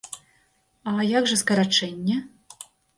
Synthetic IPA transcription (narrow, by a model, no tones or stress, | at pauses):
ajaɡʐɐskɐɾat͡ʂɛnʲːɛ